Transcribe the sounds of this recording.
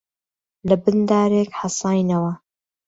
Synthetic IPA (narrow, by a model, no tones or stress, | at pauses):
lɐbɨnd̪aːɾeːkħɑsɑːjnɐwɐ